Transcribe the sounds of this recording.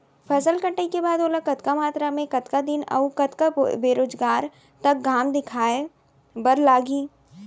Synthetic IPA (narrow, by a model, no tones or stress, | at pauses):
pʰɐsəlkə̃ɳʈəikebaːd̪oːlakɐt̪kamaːt̪ɾamẽkɐt̪kad̪ɪnɐ̰ukɐt̪kabeːɾoːd͡ʒɡaːɾ | t̪ɐk̚ɡaːmd̪ɪkʰaːe | bɐɾlaːɡiː